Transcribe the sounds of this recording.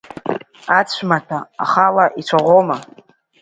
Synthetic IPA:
at͡ɕʷʰmatʰa̰ːχalaʔit͡sʷʰaʁʷoma

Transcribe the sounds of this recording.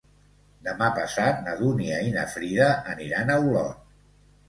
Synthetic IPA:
d̪əmapəsat̪̚nəðuniəinə̰fɾiðəʔːniɾanəulɔ̰t̪

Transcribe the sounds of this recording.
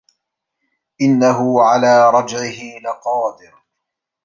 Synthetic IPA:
ʔɪnːaɦʊʕalaːɾˤɑd͡ʒʕɪhɪlɪqɑːd̪ɪɾ

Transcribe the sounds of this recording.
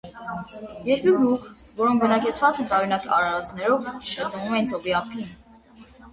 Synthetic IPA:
jɛɾkuɡuχvɔɾɔŋk̚ʰbənɑkɛt͡sʰvɑt͡sɛnt̪ɑɾunɑkɑ̰ɾɑɾɑt͡snɛɾɔvʃət̪əvumɛnt͡sɔbiɑpʰin

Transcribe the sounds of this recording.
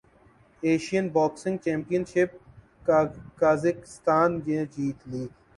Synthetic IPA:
eːʃijənbɔːksɪ̃ŋɡ̚t͡ʃẽːmpijənʃɪp̚ | kaːzɪkɪ̥st̪aːnɡẽːd͡ʒiːt̪liː

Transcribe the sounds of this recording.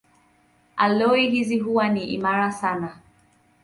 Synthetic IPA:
alɔiɦiziɦuwaniʔḭmaɾasana

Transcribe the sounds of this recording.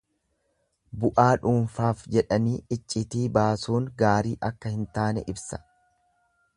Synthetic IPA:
bʊʔaːᶑuːnfaːfd͡ʒɛᶑɐniːɪt͡ʃʼːɪt̪iːbaːsuːŋɡaːɾiːʔɐkːɐhɪnt̪aːnɛʔɪbsɐ̥

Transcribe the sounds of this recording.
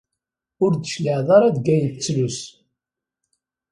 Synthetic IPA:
ʊɾd̪əʃləʕðˤɑɾˤɑd̪ɡæjt͡sːlus

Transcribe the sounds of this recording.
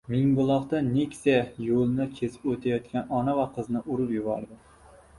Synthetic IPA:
mɪŋbʊlˠɒqt̪anekʲsajolˠnakʲʰesɪ̥pot̪ʰajɒt̪̚kʲanɒnavaqʰɨznɪʔʊɾɪpjʊbɒ̰ɾd̪ɪ

